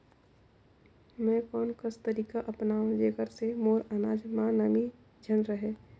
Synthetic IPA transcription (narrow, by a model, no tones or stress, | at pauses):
mɛ̃kɔːnkəst̪əɾiːkaʔɐpnãd͡ʒeːɡəɾsemoːɾanaːd͡ʒmãnəmi | d͡ʒʱənɾəɦeː